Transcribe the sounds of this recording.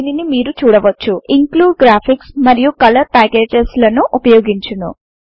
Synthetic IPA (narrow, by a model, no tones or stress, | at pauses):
ninimiːɾut͡ʃuːɽɐʋɐt͡ʃːuiŋkluːɖɡɾaːpʰiksmɐɾijukɐlɐɾt̪aːɡeːʈeslɐnuʔupɐjoːɡiɲt͡ʃunṵ